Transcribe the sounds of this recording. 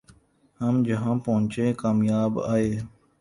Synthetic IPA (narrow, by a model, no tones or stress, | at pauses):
həmd͡ʒəɦãːpəɦʊ̃ɲt͡ʃẽːkaːmjaːba̰ːeː